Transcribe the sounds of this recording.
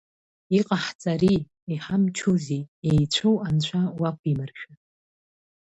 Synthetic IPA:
iqʼaħt͡sʼaɾi | iħamt͡ʃʰuziejt͡ɕʷʰowant͡ɕʷʰawakʷʰimɨrʃᶣa

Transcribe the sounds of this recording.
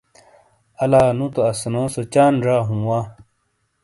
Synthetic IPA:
ɐlaːnũt̪oɐsnõːsot͡ɕaːnɾaːɦũːwaː

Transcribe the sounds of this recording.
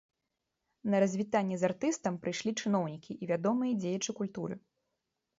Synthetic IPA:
nɐɾɐzʲvʲit̪anʲːɛzart̪ɨst̪ɐmpɾɨjʂlʲit͡ʂɨnɔwnʲikʲiʔivʲad̪ɔmɨjɐd͡zʲejɐt͡ʂɨkulʲt̪uɾɨ̰

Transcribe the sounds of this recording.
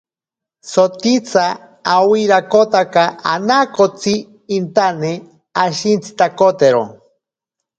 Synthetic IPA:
sot̪it͡saː | wiɾakot̪akaanakot͡siː | nt̪ane | aʃint͡sʰi̥t̪akot̪eɾo̰

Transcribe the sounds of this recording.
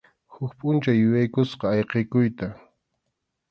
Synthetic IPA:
hʊkpʼʊnt͡ʃajʊjajkʊsqɑːjqejkʊjt̪a

